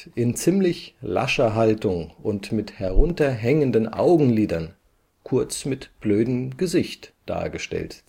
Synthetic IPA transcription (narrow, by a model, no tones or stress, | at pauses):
ʔɪnt͡siːmlɪçla̰ʃɐɦaltʊŋʔʊntmɪthɛɐʁʊntɐɦɛŋəndənʔa̰ʊɡŋ̩liːdɐn | kʰʊɐt͡smɪtb̥løːdəm̩ɡ̥əzɪçtd̥a̰ːɐɡəʃtɛ̰lt